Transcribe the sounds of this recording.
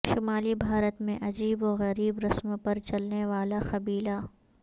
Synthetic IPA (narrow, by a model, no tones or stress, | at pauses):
ʃʊmaːlibʱaːɾət̪mẽʔɐd͡ʒiːbɔːɣɐɾiːbɾɐsmpɐɾt͡ʃɐlneʋaːlaxɐbiːla